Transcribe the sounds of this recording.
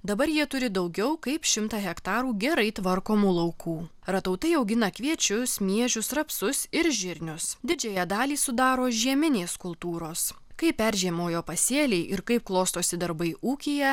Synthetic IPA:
d̪ɐbɐɾjiɛt̪ʊɾʲɪd̪ɒʊɡʲɛʊkɐɪpʃʲɪmt̪ɑːɣʲɛkt̪ɑːɾuːɡʲɛɾɐɪt̪ʋɐɾkoːmuːlˠɐʊkuː | ɾɐt̪ɐʊt̪ɐɪɐʊɡʲɪnɐkʋʲiɛt͡ʃʲʊsmʲiɛʒʲʊsɾɐpsʊsɪɾʒʲɪɾʲnʲʊsd̪ʲɪd͡ʒʲɛjæd̪ɑːlʲiːsʊd̪ɑːɾoːʒʲiɛmʲɪnʲeːskʊlˠt̪uːɾoːs | kɐɪppʲæɾʲʒʲiɛmoːjoːpɐsʲeːlʲɛɪʔɪɾkɐɪp̚klˠoːst̪oːsʲɪd̪ɐɾbɐɪʔuːkʲiːjɛ

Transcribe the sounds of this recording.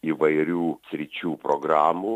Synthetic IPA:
iːʋɐɪɾʲuːsʲɾʲɪt͡ʃʲuːpɾoɡɾaːmuː

